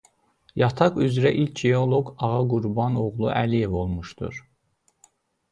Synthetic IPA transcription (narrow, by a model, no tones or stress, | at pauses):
jɑt̪ʰɑqyzɾæʔilcʰeo̞lˠo̞ɡɑʁɑɡuɾbɑno̞ɣlˠṵʔælije̞vo̞lˠmuʃd̪̥ṵɾ